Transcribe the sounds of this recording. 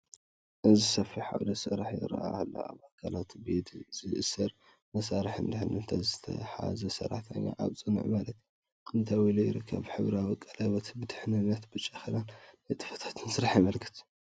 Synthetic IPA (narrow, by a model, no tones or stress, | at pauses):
ʔɨzisɐfiħa̰wlɐsɨɾaħjɪ̰ɾɐ̰ʔahlːo̰ʔa̰βakʰalat̪bed̪z̥ɨʔɨsɐɾ | mɐsaɾɨħɨnd̪ɨħnɨnt̪ʰazɨt̪ʰɐ̰ħa̰zɐsɐ̰ɾːa̰ħt̪ʰa̰ɲːa̰ʔa̰βt͡sʼɨnɨ̰ʕmalɐt̪ | kʰʼɨnt̪ʰawilujɪɾɨkʰːɐ̰βħɨβɾawikʼːɐlajbot̪ʰibɨd̪ɨħnɨnat̪bɨt͡ʃʼːaxilannajt̪ʼɨ̥fɐt̪ʰḁt̪ʰɨnsɨɾaħajmɐlɡʰɨt͡s̪ʼ